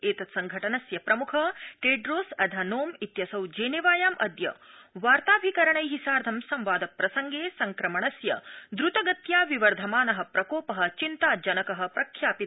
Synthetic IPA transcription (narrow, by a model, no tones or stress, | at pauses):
eːt̪ɐt̪sɐŋɡʱɐʈɐnɐsjɐpɾɐmukʰɐkeːɖɾoːsɐd̪ʱɐnoːmit̪jɐsɐwd͡ʒeːneʋaːjaːmʔɐd̪jɐʋaːɾt̪aːbʱikɐɾɐɳɐjɦisaːɾd̪ʱɐmsɐmʋaːd̪ɐpɾɐsɐŋɡeːsɐŋkɾɐmɐɳɐsjɐd̪ɾut̪ɐɡɐt̪jaːʋiʋɐɾd̪ʱɐmaːnɐɦɐpɾɐkoːpɐɦɐt͡ʃint̪aːd͡ʒɐnɐkɐɦɐpɾɐkʰjaːpi